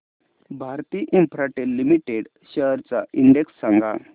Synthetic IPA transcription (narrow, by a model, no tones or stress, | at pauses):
bʱaɾt̪iːʔimpʰɾaʈelːimiʈeɽ | ɕəɦɾt͡saiɳɖeksːaŋɡa̰